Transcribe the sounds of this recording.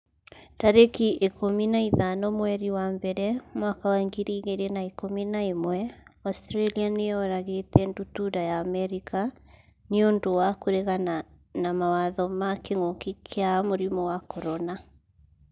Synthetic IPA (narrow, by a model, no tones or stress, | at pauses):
taɾekiʔekominaiðanɔmwɛɾiwambɛɾɛmwakawaŋɡiɾiɣeɾenaekominaemwɛɔstɾɛlianeɔɾaɣetɛndutuɾajaːmɛɾika | niondowakoɾeɣana | namawaðɔmakeŋokikʰeamoɾimɔwakɔɾɔna